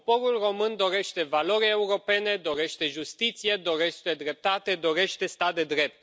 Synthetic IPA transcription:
po̞ɾulro̞mɨnd̪o̞ɾe̞ʃt̪e̞valo̞ɾʲeuɾo̞pe̞ne̞d̪o̞ɾe̞ʃt̪e̞ʒust̪it̪sije̞d̪o̞ɾeʃt̪e̞d̪ɾe̞p̚t̪at̪e̞d̪oɾe̞ʃt̪e̞st̪ad̪e̞d̪ɾe̞p̚t̪

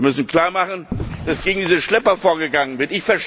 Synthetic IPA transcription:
mʏsn̩kl̥aːɐmaχn̩d̥asɡ̥eːɡŋ̩diːzəʃlɛpɐfoːɐɡəɡaŋənvɪɐtɪçfɛɐʃ

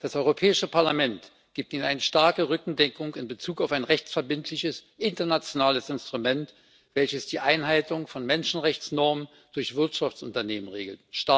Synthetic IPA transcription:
d̥asʔɔʏʁopʰɛːɪʃəpʰaɐlamɛnt | ɡ̥iːp̚tiːnənaɪnəʃtaɐkəʁʏkŋ̩dɛkʊŋkɪnbət͡suːkaʊfaɪnʁɛçt͡sfɛɐbɪntʰlɪçəsʔɪntɐnat͡sjonaːləsɪnstʁ̥umɛnt | v̥ɛlçəsd̥iːʔaɪnɦaɪtʊŋfɔnmɛnʃn̩ʁɛçt͡snɔɐmən | d̥ʊɐçv̥ɪɐtʃaft͡sʔʊntɐneːmənʁḛːɡl̩tʃta

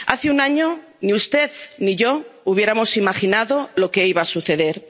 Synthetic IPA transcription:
a̰θeunaɲo | niust̪e̞ðniʝouβ̞je̞ɾamo̞simaxinaðo̞lo̞ke̞iβasuθe̞ðe̞ɾ

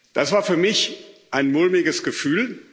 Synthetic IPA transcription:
d̥asv̥aːɐfyːɐmɪçʔaɪnmʊlmɪɡəsɡ̥əfyːl

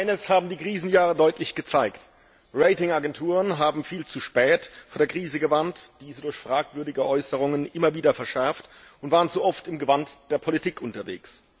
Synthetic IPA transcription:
ʔaɪnəshaːbm̩diːkʁ̥iːzn̩jaːʁədɔʏtʰlɪçɡ̥ət͡saɪkt | ʁeɪtɪŋaɡɛntʰuːʁənɦaːbm̩fiːlt͡suʃpɛːtfoːɐdeːɐkʁ̥iːzəɡəvantd̥iːzədʊɐçfʁ̥aːkv̥ʏɐdɪɡəʔɔʏsəʁ̞ʊŋənʔɪmɐviːdɐfɛɐʃɛɐft | ʔʊntvaːʁənt͡suʔɔftɪmɡəvantd̥eːɐpʰolitʰiːkʰʔʊntɐvḛːks

